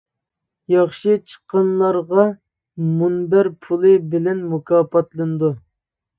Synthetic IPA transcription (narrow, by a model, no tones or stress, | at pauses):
jɑχʃɨt͡ʃʰə̥qːɑnlˠɑɾʁɑ | munbæɾpʰulˠɨbɪlɛnmukʰɑːpɑt̪lˠɨnɨd̪u